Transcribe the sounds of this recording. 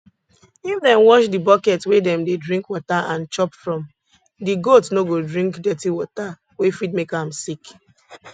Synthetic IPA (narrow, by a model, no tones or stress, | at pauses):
ifdɛ̃mwɔʃdibɔkɛtwedɛ̃mdedɹĩŋkwɔtaʔãnt͡ʃɔpfɹɔ̃m | diɡotnoɡodɹĩŋkdɛtiwɔta | wefitmekãmsik